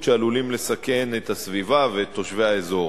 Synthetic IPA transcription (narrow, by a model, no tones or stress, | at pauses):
ʃealulimlesake̞net̪hasvivavet̪ʰːo̞ʃveaezo̞